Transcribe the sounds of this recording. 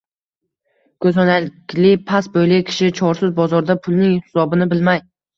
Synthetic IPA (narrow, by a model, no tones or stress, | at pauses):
kʰɵzɒnalɪkʲlɪpʰasbojlɪkʲʰɪ̥ʃɪt͡ʃʰɒɾsɪzbɒzɒɾd̪apʰʊlˠnɪŋhhɪsɒbɪnɪbɪlmaj